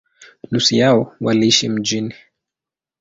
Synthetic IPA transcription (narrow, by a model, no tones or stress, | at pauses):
lusijaɔwaliiʃim̩d͡ʒini